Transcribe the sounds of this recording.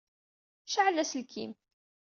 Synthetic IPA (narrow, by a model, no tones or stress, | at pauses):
ʃəʕəlːæslkʰḭm